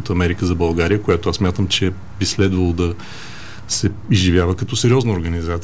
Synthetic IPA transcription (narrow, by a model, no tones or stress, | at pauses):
ət̪əɐmɛɾikəzɐbɐlˠɡaɾijəkojat̪oassmʲjat̪əmt͡ʃɛ | bislɛd̪vəlˠod̪ɐ | sɛizʒivʲjavəkɐt̪ɔsɛɾʲɔznəoɾɡənizat̪s